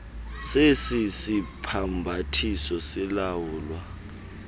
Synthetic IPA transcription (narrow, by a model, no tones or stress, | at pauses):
sesisipʰambʱatʰisɔsilawuːlwa